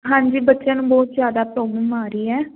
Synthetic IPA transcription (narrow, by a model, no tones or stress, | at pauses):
ɦãːɲd͡ʒiːbətːʃãːnũːbɔːt̪zjaːd̪aːpɾɔːbəmaːɾəiːɛː